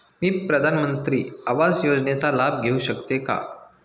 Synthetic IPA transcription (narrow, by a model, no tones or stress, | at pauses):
miːpɾəd̪ʱanmənt̪ɾiːaʋad͡zjod͡znet͡salab̚ɡʱeuɕəkt̪eka̰